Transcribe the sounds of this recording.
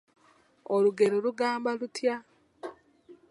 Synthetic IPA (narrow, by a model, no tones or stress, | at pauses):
oluɡe̞ɾoluɡaːmbalutja